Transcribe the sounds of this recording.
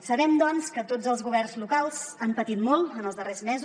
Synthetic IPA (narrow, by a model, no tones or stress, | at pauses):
səβɛmd̪ɔnskət̪od͡zəlˠzɣuβɛrnzlukalˠz̥ampət̪it̪mɔlˠənəlˠzðərezmɛzu